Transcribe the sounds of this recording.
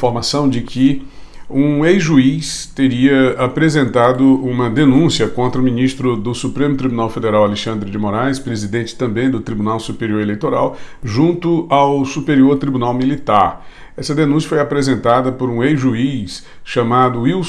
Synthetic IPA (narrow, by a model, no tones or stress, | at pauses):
foɾmasɐ̃w̃d͡ʒɪkʰɪ | ũejʒuist̪eɾiɐapɾezẽnt̪ad̪ʊũmɐd̪enũsiɐkõnt̪ɾɐʊminist̪ɾʊd̪ʊsupɾẽmʊt̪ɾibunawfed̪eɾawaleʃɐ̃nd̪ɾɪd͡ʒɪmoɾajspɾezid̪ẽnt͡ʃɪ̥t̪ɐ̃mbẽj̃d̪ʊt̪ɾibunawsupeɾioɾelejt̪oɾa̰wʒũnt̪ʊawsupeɾioɾt̪ɾibunawmilit̪aɾ | ɛsɐd̪enũs̬jɐfojapɾezẽnt̪ad̪ɐpʊɾũejʒuis | ʃamad̪ʊiw